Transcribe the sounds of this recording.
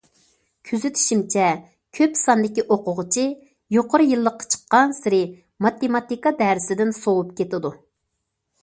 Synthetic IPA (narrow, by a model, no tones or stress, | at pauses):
kʲʰyzɪt̪ʰɪ̥ʃimt͡ʃʰɛ | kʲʰøpsɑnd̪ɪkʲiʔoqʊʁət͡ʃʰi | joqʊɾɨjɨlˠːəqːɑ̥t͡ʃʰə̥qːɑnsɪɾɪ | mɑt̪emɑt̪ikɑd̪æɾɪsɪd̪ɪnsowupkʲʰet̪ɪd̪u